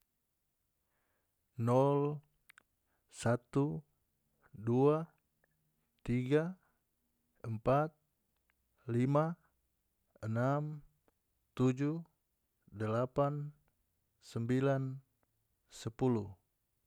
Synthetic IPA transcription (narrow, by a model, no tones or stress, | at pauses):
nɔl | sat̪u | dua | t̪iɡa | əmpat̪̚ | lima | ənam | t̪ud͡ʒu | dəlapan | səmbilan | səpulu